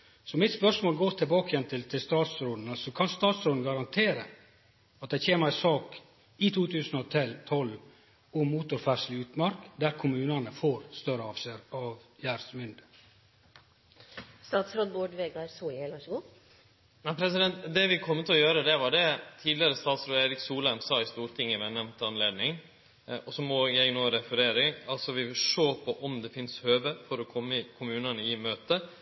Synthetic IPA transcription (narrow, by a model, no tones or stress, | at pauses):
sɔmɪt̪spœʂmoːlɡoːɾt̪ʰɪlbɑːkəjɛnt̪ʰɪlt̪ʰɪlst̪ɑːt̪sɾoːd̪ən̩əsɔkʰɑnst̪ɑːt̪sɾoːd̪n̩ɡɑɾɑnt̪ʰeːɾə | ɑt̪̚d̪æɪçeːməɾæɪsɑːk | ɪt̪ʰuːt̪ʰʉːsənɔt̪ʰɪlt̪ʰɔlʋ | ʊmmuːt̪ʊɾfæʂlɪʉːt̪mɑɾkd̪æɾkʰʊmʉːnənəfoːɾst̪œɾəɑfsəɾɑʋjæːɾsmʏnd̪ə | st̪ɑːt̪sɾod̪boːɖʋeːɡɑɾsuːɛlʋɑʃɡʊ | næɪpʰɾɛs̬ɪd̪ɛnt̪d̪ɛʋɪkʰɔmːət̪ʰɪlɔjøːɾəd̪ɛʋɑɖɛt̪ʰiːd̪lɪəɾəst̪ɑːt̪sɾoːeːɾɪksuːlæmsɑːɪst̪uːɾt̪ʰɪŋːəʋɛnɛʋnt̪əɑnleːd̪nɪŋ | ɔsɔmɔjæɪnoːɾɛfəɾeːɾɪŋɑlsɔʋɪʋʂoːpʰɔʔɔmd̪ɛfɪnshøːʋəfɔɾɔkʰɔmːəɪkʰʊmʉːnənəɪmøːt̪ə